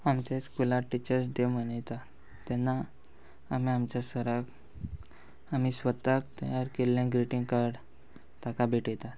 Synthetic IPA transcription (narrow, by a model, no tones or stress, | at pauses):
amt͡ɕaskulaʈːit͡ɕəɾsɖemənajt̪a | t̪ɛnːaː | miamt͡ɕjasəɾək | am̤isʋət̪ak̚t̪əjaɾkelːãɡɾiʈiŋɡkaɾɖ | t̪akabʱeʈjet̪at̪